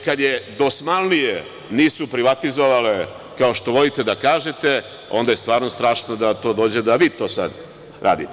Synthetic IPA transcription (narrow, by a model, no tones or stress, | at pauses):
kad̪jed̪o̞smalˠnije | niːsupɾiʋat̪izo̞ʋale | kao̞ʃt̪o̞ʋo̞lit̪e̞d̪akaːʒet̪e̞ | o̞̰nd̪aje̞st̪ʋaːɾno̞st̪ɾaːʃnod̪at̪o̞ːd̪o̞ːd͡ʑe̞d̪aʋiːt̪o̞ːsa̰d̪ | ɾʔa̰ːd̪it̪